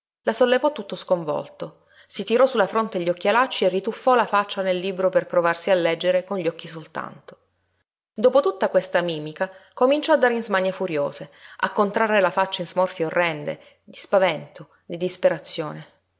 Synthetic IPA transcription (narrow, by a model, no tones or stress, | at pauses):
lasolːevɔt̪ːut̪ːoskoɱvɔ̰lt̪o | sit̪iɾɔsulːafɾont̪eʎːɔkːialat͡ʃːierːit̪ufːɔlafat͡ʃːanelːiːbɾoperpɾovarsialːɛd͡ʒːeɾekonʎːɔkːisolt̪a̰nt̪o̥ | d̪oːpot̪ut̪ːakwest̪amiːmikakomint͡ʃɔad̪ːaɾeinzmaɲːefuɾjoːzea̰kːont̪ɾarːelafat͡ʃːainzmɔrfjaorːɛnd̪ḛ | d̪ispavɛnt̪o | d̪id̪ispeɾat̪sːjoːne